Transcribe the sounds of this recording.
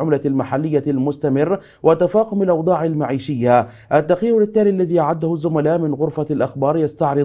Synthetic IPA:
ʕʊmlalmaħalːɪjːalmʊst̪amɪrː | wat̪ːafɑːqʊmalʔɑwd̪ˤɑːʕalmaʕiːʃɪjːa | ʔat̪ːaqiːɾʊlɪt̪ːaːliʔlːaðiːʔaʕad̪ːʊhʊzːʊmalaːʔmɪnɣʊɾfalʔaxbɑːɾˤjast̪aʕɾɨ

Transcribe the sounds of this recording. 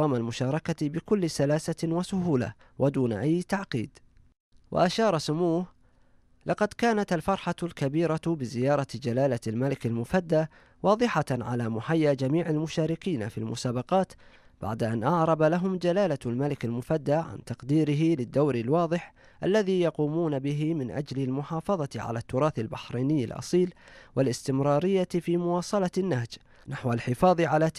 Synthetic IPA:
ɑːmalmʊʃɑːɾˤɑkabɪkʊlːsalaːsawasʊɦuːla̰ | wʔad̪uːna̰ʔajːt̪aʕqiːd̪ | wʔa̰ʔaʃɑːɾˤɑsʊmuːh | lɑqɑd̪kaːnat̪alfɑɾˤħalkabiːɾabɪzɪjɑːɾˤɑd͡ʒalaːlalmalɪkalmʊfad̪ːaː | wɑːðˤɨħaʕalaːmʊħajːaːd͡ʒamiːʕalmʊʃaːɾɪkiːnafḭlmʊsaːbɑqɑːt̪b̥a̰ʕd̪aʔanʔɑʕɾˤɑbalaɦʊmd͡ʒalaːlalmalɪkalmʊfad̪ːaːʕa̰nt̪ɑqd̪iːɾɪɦɪlɪd̪ːawɾɪlwɑːðˤɨħ | ʔa̰lːaðiːjɑquːmuːnabɪɦɪmɪnʔa̰d͡ʒlalmʊħɑːfɑðˤɑʕa̰lat̪ːʊɾˤɑːθalbɪħɾiːnɪjːa̰lʔɑ̰sˤiːlwalʔɪst̪ɪmɾˤɑːɾɪjːafiːmʊwɑːsˤɑlɑnːahd͡ʒ | naħwalħɪfɑːðˤʕalaː

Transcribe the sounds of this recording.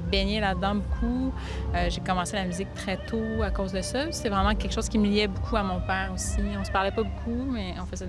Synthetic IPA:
beɲelad̪ɑ̃bokʰu | øʒekɔmɑ̃selamyzɪk̚t̪χɛt̪oakoːzd̪əsasɛvʁɛmɑ̃kʲɛlkə̥ʃoːz̥kʲiməliɛbukʰuamɔ̃pɛːʁosiɔ̃sə̥paʁlɛpabokʰumɛɑ̃fɛzɛ

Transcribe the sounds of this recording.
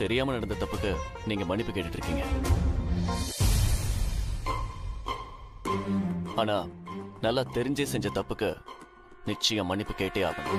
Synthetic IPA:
t̪ɛɾɪjaːmɐnɐɽɐnd̪ɐt̪ɐpːɯkːɯniːŋɡɐmɐɳɪpːɯkeːʈːɪʈːɪɾɯkːiːŋɡɐ | aːnaːnɐlːaːt̪ɛɾɪɲd͡ʒeːsɛɲd͡ʒɐt̪ɐpːɯkːɯ | nɪt͡ʃːɐjɐ̃mɐɳɪpːɯkeːʈːeːaːɣʊ̰̃m

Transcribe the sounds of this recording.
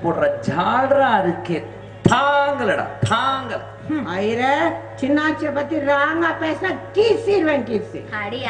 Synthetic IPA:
poːɽɾɐd͡ʒaːɽɐɾaːɪɾɯkːeː | t̪ʰaːŋɡɐlɐɽa̰t̪ʰaːŋɡɐl | ɐjɾet͡ʃɪnːaːt͡ʃːiɐpɐt̪ːiɾaːŋɡaːpeːsnaːkiːsiɾʋẽŋʈiːsḭ

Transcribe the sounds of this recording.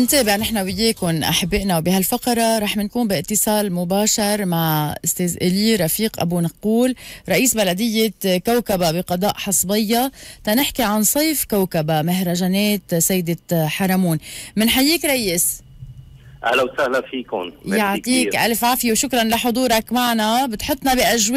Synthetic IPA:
nt̪eːbɪʕnɪħnawɪjːeːkʊnʔa̰ħabːɪʔnawbɪhalfaqɑɾˤɑɾˤɑːħmɪnkuːmbɪʔɪt̪ːɪsˤɑːlmʊbaːʃɑɾˤmaʕʔʊst̪eːzʔɪliɾˤɑfiːqʔa̰bunɑqːuːlɾˤɑʔiːsbalad̪ɪjːekawkababɪqɑd̪ˤɑːʔħɑsˤbɪjːat̪ɑnɪħkiʕansˤɑjfkawkabamɪɦɾˤaʒaneːt̪sajːd̪ɪħaɾˤɑmuːnmɪnħajːiːkɾˤɑʔjːɪs | ʔa̰lawsahlafiːkʊ̰njaʕt̪ˤiːʔa̰lfʕaːfjewʃʊkɾˤɑnlaħʊd̪ˤuːɾˤɑkmaʕnabɪt̪ħʊt̪ˤːnɑbiʔaʒw

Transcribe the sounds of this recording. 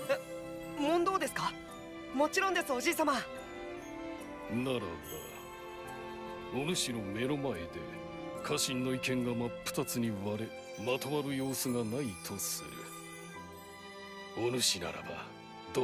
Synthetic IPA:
mõ̞nd̪o̞ːd̪e̞sɨ̥ka | mo̞t͡ɕiɾõ̞nd̪e̞sɨo̞ʑiːsama | naɾa̰da̰ | onɯ̟ɕino̞me̞ɾomae̞d̪e̞̰ | kʰaɕĩnːo̞ikẽ̞ŋɡamapːɯ̟̥t̪at͡sɨɲ̟iβaɾe | mat̪omaɾɯ̟jo̞ːsɨɡanait̪ʰo̞sɨ̰ɾɯ̰ | onɯ̟ɕina̰ɾa̰ba̰ | d̪̥

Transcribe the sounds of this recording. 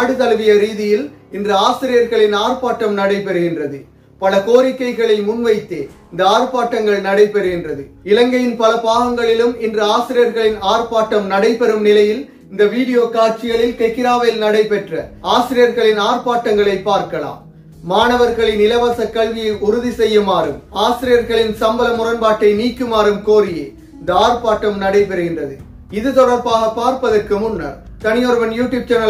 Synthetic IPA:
aɽɯt̪ɐlʋɪjɐɾiːðɪjɪlɪndrɐaːsɪɾɪjɐɾɣɐɭɪnaːɾpaːʈːɐmnɐɽɐɪpɛɾɯɣɪndrɐðɯ | pɐlɐkoːɾɪkːɐɪɣɐɭɐɪmʊnʋɐɪt̪ːeːɪnd̪ɐaːɾpaːʈːɐŋɡɐɭnɐɽɐɪpɛɾɯɣɪndrɐðɯɪlɐŋɡɐjɪnpɐlɐpaːɣɐŋɡɐɭɪlɯmɪndrɐaːsɪɾɪjɐɾɣɐɭɪnaːɾpaːʈːɐmnɐɽɐɪpɛɾɯmnɪlɐjɪl | ɪnd̪ɐʋiːɽɪjoːkaːɾt͡ʃːɪɣɐɭɪlkɐɪkːɪɾaːʋeːlnɐɽɐɪpɛʈrɐaːsɪɾɪjɐɾɣɐɭɪnaːɾpaːʈːɐŋɡɐɭɐɪpːaːɾkɐla̰ːmː | aːnɐʋɐɾɣɐɭɪnɪlɐʋɐːsɐkːɐɭʋɪjɐɪʊɾʊðisɛjːɯmaːɾɯmaːsɪɾɪjɐɾɣɐɭɪnsɐmbɐlɐmʊɾɐnpaːʈːɐɪniːkːɯmaːɾɯmkoːɾɪjḛː | ɪnd̪ɐaːɾpaːʈːɐmnɐɽɐɪpɛɾɯɣɪndrɐðɯ | ɪðɯt̪ɔɽɐɾpaːɣɐpaːɾpɐðɐrkɯmʊnːɐ̰ɾ | t̪ɐnɪjɔɾɯʋɐnjuːʈjuːb̚t͡ʃɛnɐ

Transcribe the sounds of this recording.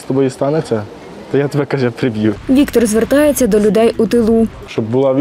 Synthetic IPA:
st̪ɔbɔjist̪ɑnet͡sʲːɐ | t̪ɔjat̪ɔbɛkɐʒɛpɾɪbjuʋʲikt̪ɔrzʋert̪ɑjet͡sʲːɐd̪ɔlʲʊd̪ɛjut̪ɪlˠu | ʃt͡ʃɔbbʊlˠɑʋʲ

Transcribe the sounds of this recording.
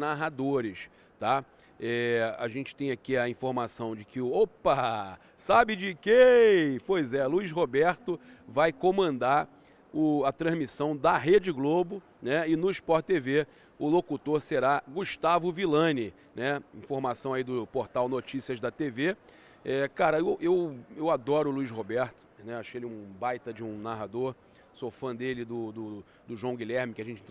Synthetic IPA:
naɦad̪oɾɪʃ | t̪a | ɛa̰ʒẽnt͡ʃɪ̥t̪ẽj̃akiɐĩfoɾmasɐ̃w̃d͡ʒɪkɪʊopɐ | sabɪd͡ʒɪkepojzɛluiʃɦobɛɾt̪ʊ | vajkõmɐ̃nd̪aɾ | ʊɐt̪ɾɐ̃zmisɐ̃w̃d̪ɐɦed͡ʒɪɡlobʊ | nɛɪnʊiʃpɔɾt͡ʃt̪eve | ʊlokut̪oɾseɾaɡuʃt̪avʊvilɐ̃nɪ | nɛĩfoɾmasɐ̃w̃aid̪ʊpoɾt̪awnot͡ʃisiɐzd̪ɐt̪eve | ɛkaɾɐewʔewewad̪ɔɾʊːluiʃɦobɛɾt̪ʊ̥nɛaʃʊkelɛũbajt̪ɐd͡ʒɪũnaɦad̪oɾ | sofɐ̃d̪elɪd̪ʊd̪ʊ | d̪ʊʒuɐ̃w̃ɡilɛɾmɪkɪaʒẽnt͡ʃɪĩ

